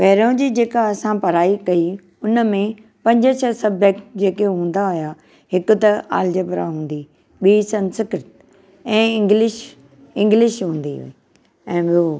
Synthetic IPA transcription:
pɐɦɾõd͡ʑiːd͡ʑeːkaɐsãpɐɾaːikɐi | ʊnəmẽ | pɐ̃ɲd͡ʑət͡ɕʰɐsɐbd͡ʑək̚ʈd͡ʑeːkeɦũːn̆d̪aɦʊja | ɦɪkʊt̪ɐa̰ːld͡ʑəpɾa̰ɦũːnd̪i | ɓiːsɐnsɪkɪɾt̪ | ɛ̃ːɪ̃ŋɡlɪʃ | ɪ̃ŋɡlɪʃɦũːn̆d̪iɦʊ̰i | ɛ̃ːɓio

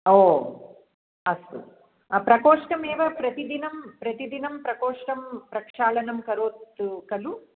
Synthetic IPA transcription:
oː | ɐst̪ṵ | ɐpɾɐkoːʂʈɐmeːʋɐpɾɐt̪id̪inɐmpɾɐt̪id̪inɐmpɾɐkoːʂʈɐmpɾɐkʂaːlɐnɐmkɐɾoːt̪ːukɐlu

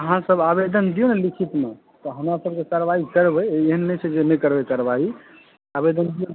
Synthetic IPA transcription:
əɦãsəbabed̪ənd̪ijonelikʰit̪me | t̪ɔɦəmɾasəb̚kekəɾbaikəɾbɛeɦənːɛt͡ʃʰɛd͡ʒemekəɾbekəɾbai | abed̪ənd̪ijo

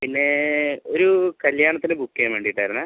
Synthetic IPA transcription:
pinːe̞oɾukɐljaːɳɐt̪ːinɨbʱukːeːmʋeːɳɖijiʈːaːɾunːa

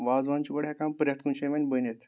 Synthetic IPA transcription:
ʋad͡zʋant͡ɕikəɽɦakampəɾʲjat̪kunɕeʋanʲbənet̪

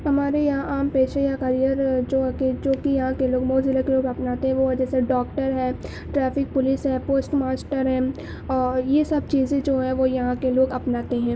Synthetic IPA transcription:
ɦɐmaːɾejɐɦãʔaːmpeːʃejakɐɾijəɾd͡ʒoːɦked͡ʒoːkijɐɦãkeloːɡmoːzɪlakeloːɡɐpnaːt̪eɦɛ̃ʋod͡ʒɛːseɖɔːkʈəɾɦɛ̃ː | ʈɾɛːfɪk̚pʊlɪsɦɛ̃ːpoːsʈmaːsʈəɾɦɛ̃ː | ɔjesɐb̚t͡ʃiːzẽd͡ʒoːɦɛʋojɐɦãkeloːɡɐpnaːt̪eɦɛ̃ː

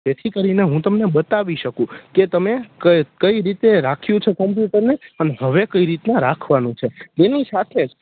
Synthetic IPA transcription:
d͡ʒet̪ʰikəɾineɦũt̪əmnebət̪aʋiʃəkũket̪əmekəkəiɾit̪eɾakʰjũt͡ʃʰekəmpjuʈəɾnepəneɦəʋekəiɾit̪nãɾakʰʋanũt͡ʃʰet̪enisat̪ʰed͡ʒ

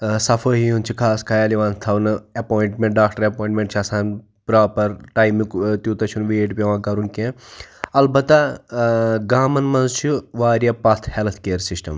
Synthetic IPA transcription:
sɐfʰəːɦijunt͡ʃʰikʰaːskʰɐjaːliʋãːnt̪ʰɐʋnɨɐpoːjiɳʈmẽɳʈ̚ɖaːk̚ʈɐɾɐpoːĩɳʈmẽɳʈt͡ʃʰɐsaːn | pɾaːpɐɾʈaːjmikt̪juːt̪ɐt͡ʃʰunʋeʈpɐʋãːkɐɾunkẽɐlbɐt̪ɐ | ɡaːmɐnmɐnzt͡ʃʰuʋaːɾijɐpɐt̪ʰhelt̪ʰkeːɾsisʈɐm

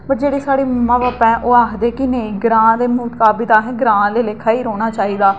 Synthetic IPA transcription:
pəɾd͡ʒeːɽeːsaːɽeːmãːʋaːpɛ̃ːʔoːaːkʰd̪eːkɪneĩːɡɾãːd̪eːmuːkaːbit̪aːɦɛ̃ːɡɾãːleːlekʰːaːiːɾoːɽ̃aːt͡ʃaːiːd̪aː

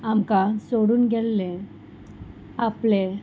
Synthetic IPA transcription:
amkasoɽuːnɡʱɛlle | aple

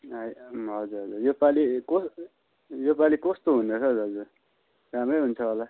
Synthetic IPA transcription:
ʌjɦʌd͡zuɾɦʌd͡zurjopalikos | jopalikʌst̪oɦunot͡sʰʌɦʌd͡zuɾɦʌd͡zur | ramrʌjɦunt͡sʰʌɦola

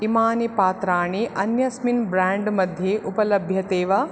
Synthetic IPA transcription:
imaːnipaːt̪ɾaːɳiʔɐnjɐsminbɾaːɳɖmɐd̪ʱjeʔupɐlɐbʱjɐt̪eːʋɐ

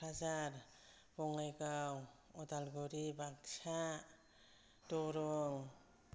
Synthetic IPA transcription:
azaɾ | bɔŋajkaw | ɔtalɡɔɾibaksa | tɔɾɔŋ

